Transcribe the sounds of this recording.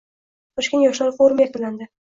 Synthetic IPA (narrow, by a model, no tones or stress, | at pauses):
t̪ʰɒʃkʲenjɒʃlɒɾfoɾʊmjak̚ʲɪland̪ɪ